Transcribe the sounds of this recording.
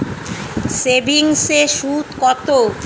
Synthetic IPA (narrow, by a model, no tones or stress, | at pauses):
sebʱiŋseʃud̪kɔt̪o